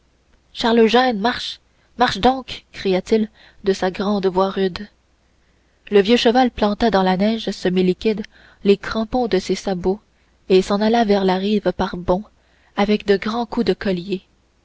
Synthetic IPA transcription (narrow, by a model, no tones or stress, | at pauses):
ʃaʁloʒɛ̃nmaʁʃ | maʁʃd̪ɔ̃ːkːʁijat̪il | d̪əsaɡʁɑ̃ːd̪vwaʁyd̪ | ləvjøʃəvalplɑ̃t̪ad̪ɑ̃lanɛʒsəmilikʲid̪ | lekʁɑ̃pɔ̃d̪əsesabo | esɑ̃nalavɛʁlaʁiːvpaʁbɔ̃ | avɛkd̪əɡʁɑ̃kud̪əkɔlje